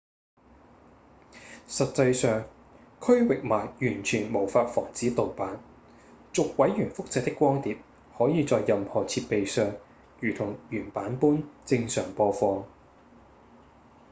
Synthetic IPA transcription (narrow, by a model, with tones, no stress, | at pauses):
sɐ˨t̚t͡sɐ˧jsœː˨ŋ | kʰɵ˥wɪ˨k̚maː˨˩jjyː˨˩nt͡ʃʰyː˨˩nmo˨˩wfaː˧t̚fɔː˨˩ŋt͡siː˨˥t̪o˨wpaː˨˥n | t͡sʊ˨k̚wɐ˨˥jjyː˨˩nfʊ˥k̚t͡sɛː˧t̚t̪ːɪ˥kːʷwɔː˥ŋt̪iː˨˧p̚ | hɔː˨˥jiː˨˧t͡sɔː˧jːɐ˨mhɔː˨˩t͡sʰiː˧t̚pe˨jsœː˨ŋ | jyː˨˩t̪ʰʊ˨˩ŋjyː˨˩npaː˨˥npuː˥nt͡sɪ˧ŋsœː˨˩ŋpɔː˧fɔː˧